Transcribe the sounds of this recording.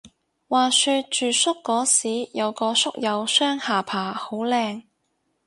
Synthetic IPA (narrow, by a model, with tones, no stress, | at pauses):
waː˨˩syː˧t̚t͡ʃyː˨sʊ˥kːɔː˨˥siː˨˥jɐ˨˧wkɔː˧sʊ˥k̚jɐ˨˧wsœː˥ŋhaː˨˩pʰaː˨˩ho˨˥wlɛː˧ŋ